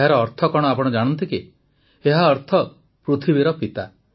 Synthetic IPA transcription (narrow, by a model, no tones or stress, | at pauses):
ɦaɾɔːɾt̪ʰɔkɔɽ̃ɔapɔɽ̃d͡ʒaɽ̃ɔnt̪iki | eɦaɔɾt̪ʰɔ | pɾut̪ʰibiɾɔpit̪a